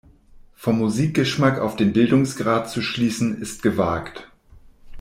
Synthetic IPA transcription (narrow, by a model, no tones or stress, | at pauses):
fɔmːuziːk̚ɡ̥əʃmaka̰ʊfd̥eːnbɪldʊŋsɡ̥ʁaːt̚t͡suʃliːsn̩ɪst̚ɡ̥əvaːkt